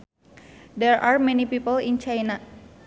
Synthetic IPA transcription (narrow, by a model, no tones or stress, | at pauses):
dɛɹaɹmɛnipipəlint͡ʃajna